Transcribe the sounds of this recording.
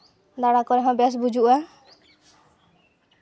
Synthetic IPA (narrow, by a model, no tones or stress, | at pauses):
d̪aɽakɔɾɛɦɔ̃bɛs̬bud͡ʒʱuʔa